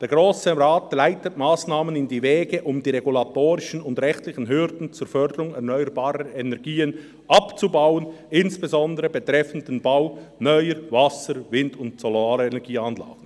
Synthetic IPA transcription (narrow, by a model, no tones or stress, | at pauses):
d̥eːɐɡʁoːsəʁaːtlaɪtətmaːsnaːmənɪndiːvɛːɡəʔʊmdiːʁeɡulatoːɾɪʃən̩ʊndʁɛxtlɪçən̩ɦʏɾdn̩t͡suːɾfœɾdəɾʊŋɛʁnœʏəɾbaːɾəɛnɛɐɡiːən | ʔɑpt͡subaʊənɪnsb̥ezɔndəɾəbetʁɛfən̩dənbaʊnœʏəvɑsəɾvɪndʊntsɔlaːləenɛɡiːɑnla̰ːɡ̥n̩